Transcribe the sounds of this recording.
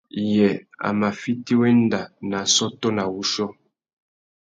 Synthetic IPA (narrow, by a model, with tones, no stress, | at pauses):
jɛ˨a̰˨ma˨fi˦ti˦we˦n˦da˨na˨sɔ˦tɔ˦na˨wu˦ʃɔ˦